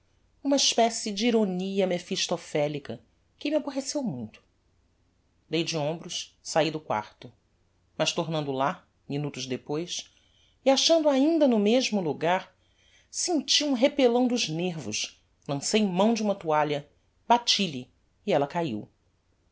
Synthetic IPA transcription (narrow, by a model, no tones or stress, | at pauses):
ũmɐiʃpɛsɪd͡ʒɪiɾoniɐmefiʃt̪ofɛlikɐ | kɪmɪaboɦesewmũj̃t̪ʊ̥ | d̪ejd͡ʒɪõmbɾʊssaid̪ʊkwa̰ɾt̪ʊ | mɐʃt̪oɾnɐ̃nd̪ʊla | minut̪ʊzd̪epojs | iaʃɐ̃nd̪ʊaĩnd̪ɐnʊmeʒmʊluɡaɾ | sẽt͡ʃiũɦepelɐ̃w̃d̪ʊʒneɾvʊ̰ʃ | lɐ̃sejmɐ̃w̃d͡ʒɪũmɐt̪uaʎɐ | b̥at͡ʃiʎɪː | ɛlɐkaḭw